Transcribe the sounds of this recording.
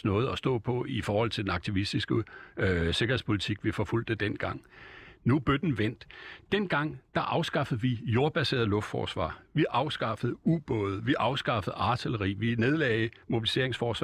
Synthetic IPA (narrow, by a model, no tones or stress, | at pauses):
nɔ̽ːð̞̩ˠɒ̽sd̥ɔ̰̽ːpʰɒ̽ifɒːhɒ̽l̰t͡sʰe̝ld̥enɑ̈ɡ̥̚t͡sʰiʋisd̥isɡ̥ə | se̝ɡ̥ɐhe̝spʰo̝lit͡sʰiɡ̥ʋifɒ̽ful̰d̥ed̥en̰ɡ̥ɑ̈ŋ̰nub̥ød̥n̩ʋen̰d̥ːenɡ̥ɑ̈ŋ̰d̥ɑ̈ʔɑ̈ʊsɡ̥ɑ̈fəð̩ˠʋijo̝ɐb̥æse̝̰ɐðˠlɔ̽fd̥fɒ̰ːsʋɑ̰̈ːʋiʔɑ̈ʊsɡ̥ɑ̈fəð̩ˠub̥ɔ̽ːð̞̩ˠʋiʔɑ̈ʊsɡ̥ɑ̈fəð̩ˠɑ̈t͡sʰiləʁḭːʋine̝ð̞ˠlɛɪmo̝b̥ilise̝̰ɐe̝ŋsfɒːsʋɑ